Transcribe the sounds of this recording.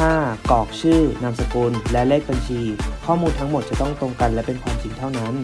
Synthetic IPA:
aː˥˩kɔː˨˩k̚t͡ɕʰɯː˥˩na˧msa˧kuː˧nlɛ˦˥leː˥˩k̚ba˧nt͡ɕʰiː˧kʰɔː˥˩muː˧nt̪ʰa˦˥ŋmo˨˩t̪̚t͡ɕa˨˩t̪ɔ˥˩ŋt̪o˧ŋka˧nlɛ˦˥pe˧npʰaː˧nt͡ɕʰi˧ŋt̪ʰa˥˩wna˦˥n

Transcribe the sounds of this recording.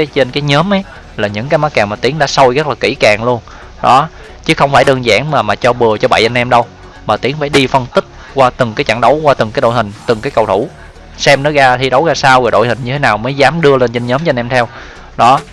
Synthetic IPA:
t͡ɕe˧nkaː˨˦jɲəː˨˦mʔə˨˦j | laː˨˩ɲɨ̰˧˥ŋkaː˨˦jma˨˦˥kaː˨˩ŋmaː˨˩t̪i˨˦əŋɗaː˧˥sə˧wjɣə˦˥t̚laː˨˩ki˧˩kaː˨˩ŋlu˧ən | ɗɔ˨˦ | t͡ɕɨ˨˦˥xə˧wŋ͡mfaː˧˩jɗɨː˧ŋza̰ː˧˥ŋmaː˨˩maː˨˩t͡ɕɔ˧ɓɨ˨˩ət͡ɕɔ˧ɓa̰˧˨jʔa˧nʔɛ˧mɗə˧w | maː˨˩t̪i˨˦əŋfaː˧˩jɗi˧fə˧nt̪ï˦˥k̟̚ | kwaː˧t̪ɨ˨˩ŋkaː˨˦jt͡ɕa̰˧˩ŋɗə˨˦wkwaː˧t̪ɨ˨˩ŋkaː˨˦jɗo̰˧˨jhï˨˩ŋ̟t̪ɨ˨˩ŋkaː˨˦jkə˨˩wt̪ʰu˧˩ | sɛ˧mnɔ˨˦ɣaː˧t̪ʰi˧ɗə˨˦wɣaː˧saː˧wɣɔː˨˩ɗo̰˧˨hï̟˨˩ɲɨ˧t̪ʰe˨˦naː˨˩wməː˨˦jzaː˨˦mɗɨ˧əle˧nt͡ɕe˧nɲəː˨˦mt͡ɕɔ˧nɛ˧mt̪ʰɛ˧w | ɗɔ˨˦

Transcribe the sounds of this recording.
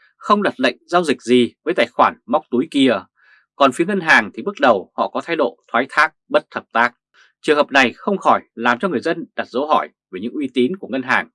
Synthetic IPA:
xə˧wŋ͡mɗa˨˩t̚lə̰˧˨jŋ̟zaː˧wzï˨˩k̟̚zi˨˩vəː˨˦jt̪aː˧˨˩jxwaː˧˩nm˦˥wk͡p̚t̪u˨˦jki˧ə | kɔ˨˩nfi˨˦əŋə˧nɦaː˨˩ŋt̪ʰi˨˩ɓɨ˦˥k̚ɗə˨˩whɔ̰˧˨kɔ˨˦t̪ʰa˧jɗo̰˧˨t̪ʰwaː˨˦jt̪ʰaː˦˥k̚ɓə˦˥t̚t̪ʰə˨˩p̚t̪aː˦˥k̚ | t͡ɕɨ˨˩əŋhəː˨˩p̚na˨˩jxə˧wŋ͡mxɔ˧˩jlaː˨˩mt͡ɕɔ˧ŋɨ˨˩əjzə˧nɗa˨˩t̚zə˨˦wɦɔ˧˩j | ve˨˩ɲɨ̰˧˥ŋʔwi˧t̪i˨˦nku˧˩əŋə˧nɦaː˨˩ŋ

